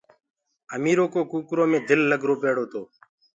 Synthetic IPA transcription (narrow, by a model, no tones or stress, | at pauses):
əmiːɾoːkoːkuːkɾoːmẽːd̪ʱɪlːəɡʱɾoːpeːɽoːt̪ʰoː